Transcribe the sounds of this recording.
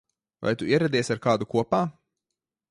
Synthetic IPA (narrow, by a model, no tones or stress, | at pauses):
va̰jt̪uiɛɾɛd̪iɛsaɾkaːd̪ukuɔpaː